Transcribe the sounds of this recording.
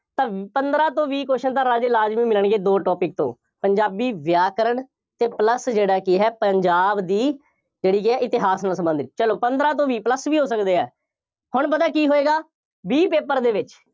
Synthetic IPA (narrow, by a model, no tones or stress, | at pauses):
t̪ãːpənd̪ɾãːt̪õːʋiːkoːʃənt̪ãːɾaːd͡ʒɪlaːd͡ʒmĩːmɪləɳɡeːd̪oːʈɔːpɪk̚t̪õ̰ː | pəɲd͡ʒaːbiːʋjaːkəɾəɳ | t̪eːpləsd͡ʒeːɽaːkɪɦɛːpəɲd͡ʒaːbd̪iː | d͡ʒeːɽiːk̬ɪɛːʔɪt̪ɪɦaːsnaːsəmbə̃nd̪it͡ʃəloːpənd̪ɾãːt̪̬õːʋiːpləsʋiːɦoːsəkd̪eːɛ̰ː | hʊɳpəd̪aːkiːɦoːeːɡaː | biːpeːpəɾd̪eːʋɪt͡ʃ